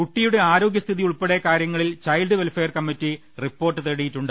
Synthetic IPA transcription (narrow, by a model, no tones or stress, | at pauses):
kuʈːijuɽe̞aːɾo̞ːɡjɐst̪ʰiðiuɭpeɽekaːɾjɐŋːɐɭilt͡ɕɐjlɖɨʋelfeːɐrkɐmːitːi | ripːo̞ːrʈːɨt̪eɽijitːuɳɖɨ